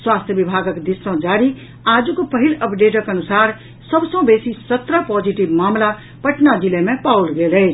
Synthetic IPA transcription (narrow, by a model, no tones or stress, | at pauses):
swaːst̪ʰjəbibʱaːɡəkd̪isə̃d͡ʒaːɾi | aːd͡zukopəɦiləpɖeːʈ̬əkənusaːɾ | səbsə̃besisət̪ɾapɔːd͡ʒiʈibmaːmla | pəʈnad͡zilemẽpaulɡele